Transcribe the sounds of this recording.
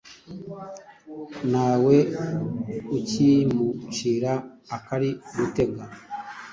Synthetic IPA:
naːwe̞ | ucimut͡ʃiːɾaː | kaɾiɡute̞ɡa

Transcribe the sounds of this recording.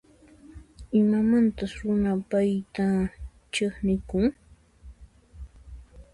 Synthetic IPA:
ɪmamant̪asɾʊnapajt̪a | t͡ʃeχnɪkʊŋ

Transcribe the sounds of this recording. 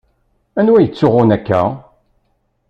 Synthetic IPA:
ænwæjət͡sːʊʁʊnækːæ̰

